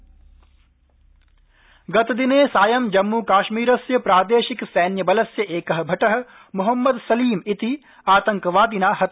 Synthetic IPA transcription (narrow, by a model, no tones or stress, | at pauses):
ɡɐt̪d̪ineːsaːjɐmd͡ʒɐmːuːkaːʃmiːɾɐsjɐpɾaːd̪eːʃiksɛːnjɐbɐlɐsjɐʔeːkɐɦɐbʱɐʈɐɦɐ̆ | muɦɐmːɐd̪sɐliːmit̪i | aːt̪ɐŋkɐʋaːd̪inaːhɐ